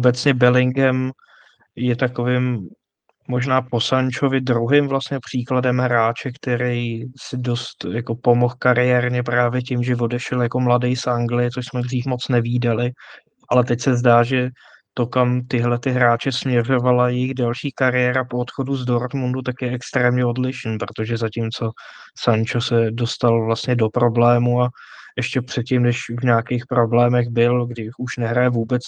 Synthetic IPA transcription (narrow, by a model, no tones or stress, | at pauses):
ʔobɛt͡sɲɛbɛlɪŋɡɛm | jɛt̪ako̞vɪmː | o̞ʒnaːpo̞saɲt͡ʃo̞vɪdɾuɦɪmvlast̪ɲɛpr̝̥iːkladɛmɦɾaːt͡ʃɛkt̪ɛɾɛjsɪdo̞st̪jako̞po̞mo̞xkaɾɪɛːɾɲɛpɾaːvjɛcɪmʒɛvo̞dɛʃɛljako̞mladɛjsʔaŋɡlɪjɪt͡soʃsmɛdriːfmo̞t͡snɛviːdalɪ | ʔalɛt̪ɛcsɛzdaːʒɛ | t̪o̞kamt̪ɪɦlɛt̪ɪɦɾaːt͡ʃɛsmɲɛr̝o̞valajɛjɪɣdɛlʃiːkaɾɪjɛːɾapoot̪xo̞duzdoɾt̪mundut̪akjɛɛkst̪ɾɛːmɲɛo̞dlɪʃn̩pɾot̪o̞ʒɛzacimt͡so̞ | sant͡ʃosɛdo̞st̪alvlast̪ɲɛdo̞pɾo̞blɛːmua | ʔɛʃcɛpr̝̥ɛt̪̚cimnɛʃvɲaːkejxpɾo̞blɛːmɛɣbɪlɡdɪuʃnɛɦɾajɛvuːbɛt͡s